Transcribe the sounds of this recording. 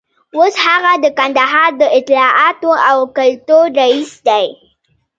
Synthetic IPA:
woshaɣad̪əkand̪aɦɑɾd̪əʔɪt̪lɑʔɑt̪oawkalt̪oɾaisd̪aj

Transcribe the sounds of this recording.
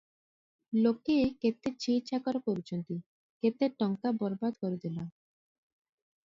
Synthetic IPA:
lokeket̪ːeɾt͡ɕiit̪ːɕʰakɔɾopoɾit͡ɕont̪i | ket̪ːeɾʈɔŋkabɔɾbad̪koɾed̪ela

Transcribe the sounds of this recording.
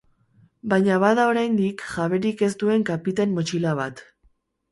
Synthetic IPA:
baɲaβaðao̞ɾajnd̪ikʝaβe̞ɾike̞st̪ue̞ŋkapit̪anmot͡ʃilaβat̪

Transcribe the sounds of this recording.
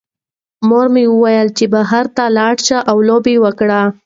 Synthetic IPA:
moɾmewəwajəlt͡ʃebaɦaɾt̪alɑɽʃaʔawlobewəkɽa

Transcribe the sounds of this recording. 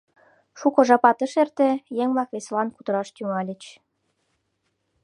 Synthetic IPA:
ʃukŏʒɑpɑt̪ɤ̆ʃert̪ĕjeŋʲlɑxvʲeslɑnkud̪ɤ̆ɾɑʃt̪ʲyŋɑlʲɘ̆t͡ɕ

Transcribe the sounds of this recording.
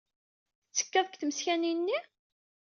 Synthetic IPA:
t͡sːə̥kːæðˤəkθməsçæninːi

